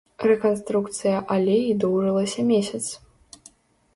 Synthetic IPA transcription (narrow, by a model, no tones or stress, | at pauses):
rɛkɐnst̪ɾukt̪sɨjɐʔɐlʲeid̪ɔwʐɨlˠɐsʲɐmʲesʲɐt̪s